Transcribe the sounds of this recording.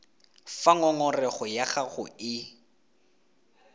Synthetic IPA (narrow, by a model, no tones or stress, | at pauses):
faŋɔŋɔrɛχʊjaχaχʊ̰ɪ